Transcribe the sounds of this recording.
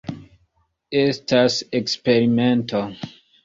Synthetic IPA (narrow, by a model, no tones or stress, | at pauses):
estasekspeɾimentʰo